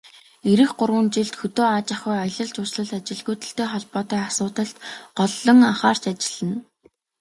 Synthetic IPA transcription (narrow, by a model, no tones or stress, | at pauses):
eɾɘ̆xɢʊrwə̆nt͡ɕiɮt̪xɵt̪oːaːt͡ɕaχʊjɔjɮə̆ɮt͡ɕʊsɮə̆ɮt̪at͡ɕɪ̆ɮɣujt̪ɘ̆ɬt̪eːχɔɮpɔːt̪iːasʊːt̪ə̆ɬt̪ɢɔɮːɞ̆ŋaχaːr̥t͡ɕat͡ɕɪ̥̆ɮə̆n